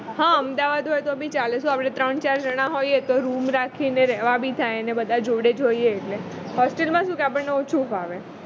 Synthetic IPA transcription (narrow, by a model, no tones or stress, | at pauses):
ɦãəmd̪aʋad̪ɦojt̪obʱit͡ʃalesũapɽ̃et̪ɾəɳt͡ʃaɾd͡ʒəɽ̃aɦojet̪oɾumɾakʰineɾɛɦʋabʱit̪ʰajnebəd̪ʱad͡ʒoɽed͡ʒoieːʈle | ɦɔsʈelmãʃũkeapəɳneot͡ʃʰufaʋe